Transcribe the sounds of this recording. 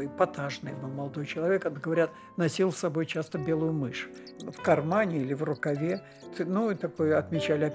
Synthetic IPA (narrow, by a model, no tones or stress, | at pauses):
ojpɐt̪aʐnɨ̰jbɨlˠmɐlˠd̪o̞jt͡ɕɪlˠɐvʲekɐt̪ɡəvɐɾʲat̪ | nɐsʲilˠsɐbo̞jt͡ɕast̪əbʲe̞lˠʊjʊmɨʂʊ̥ | fkɐrmanʲɪilʲɪvrʊkɐvʲe | ɨnuit̪ɐko̞jɐt̪mʲɪt͡ɕælʲɪɐ